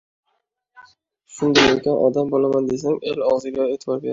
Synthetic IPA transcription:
ʃʊnd̪ajekʲanʔɒ̰d̪ambolamand̪e̞s̬aŋe̞lɒʁzɪɡʲaet̪ʰɪbɒɾbʲeɾ

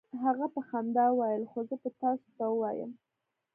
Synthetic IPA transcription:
ɦaɣapəxand̪ɑwɑjəlxozəpət̪ɑso̥t̪awəwɑjə̰m

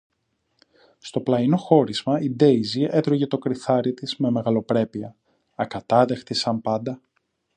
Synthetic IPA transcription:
st̪o̞plɐino̞xo̞ɾizmɐid̪e̞jzie̞t̪ɾoʝe̞t̪o̞kɾiθɐɾit̪izme̞me̞ɣɐlo̞pɾe̞piɐ | ɐkɐt̪ɐðe̞xt̪isɐmpɐnd̪ɐ

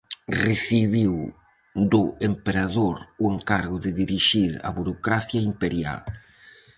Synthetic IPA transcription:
reθiβiw | d̪ʊempeɾaðoɾʊeŋkaɾɣʊðɪðiɾiʃiɾa̰βuɾokɾaθjaimpeɾja̰l

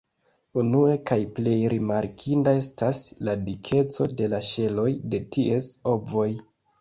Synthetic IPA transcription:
unue̞kajple̞jɾimaɾkʰindae̞stasladikʰe̞t͡so̞de̞laʃe̞lo̞jde̞tie̞so̞bvo̞j

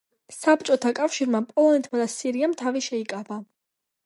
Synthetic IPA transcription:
sapt͡ʃʼɔt̪ʰakʼafʃiɾmapʼɔlˠɔnɛt̪ʰʼmad̪asiɾiamt̪ʰaviʃɛikʼaba

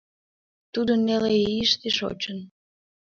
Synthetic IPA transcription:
t̪ud̪ənːeleiʃt̪eʃo̰t͡ɕən

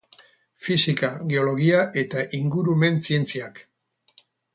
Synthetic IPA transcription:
fisikaɣeo̞lo̞ɣ̞iaʔe̞t̪aʔiŋɡuɾume̞nsie̞nt͡siak

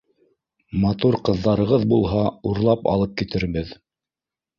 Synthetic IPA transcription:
mɑt̪uɾqɤ̆ðːɑɾɤ̆ʁɤðbulˠɦɑuɾlˠɑpɑ̰lˠɤp̚kit̪ɘ̆ɾβɘð

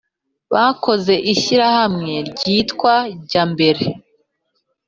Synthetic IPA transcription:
βaːko̞ze̞ʔiʃiɾahamŋe̞ɾɟiːtkwaɾɟaːmbe̞ɾe̞

